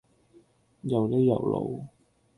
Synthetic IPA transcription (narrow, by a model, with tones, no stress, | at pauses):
jɐ˨wt̪e˥jɐ̰˨˩wlo̰˨˧w